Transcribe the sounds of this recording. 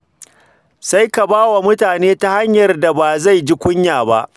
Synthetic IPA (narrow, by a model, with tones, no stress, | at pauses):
sa˦jka˨baː˦wa˨mʊ˦taː˨neː˦ta˦ha˦ɲjɐ˨rda˨ba˨za˦˨jd͡ʒi˦kʷʊ˦ɲjaː˨ba̰˦ʔ